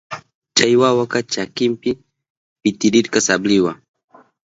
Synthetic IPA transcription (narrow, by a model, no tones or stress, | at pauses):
t͡ʃaiwawakat͡ʃakimpi | pit̪iɾiɾkasabliwa